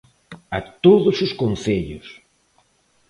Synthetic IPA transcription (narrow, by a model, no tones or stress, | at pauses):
at̪oðʊsʊskõnθeʎʊ̰s